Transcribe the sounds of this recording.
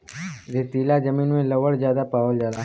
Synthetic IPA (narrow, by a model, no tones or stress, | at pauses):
ɾet̪iːlad͡ʒəmĩːnmẽləʋəɽzjaːd̪apaːʋəld͡ʒaːd̪aː